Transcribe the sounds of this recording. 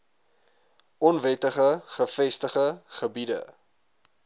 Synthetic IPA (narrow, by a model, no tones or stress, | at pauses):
ʔɔnvɛtəχəχəfɛstəχəχəbidə̰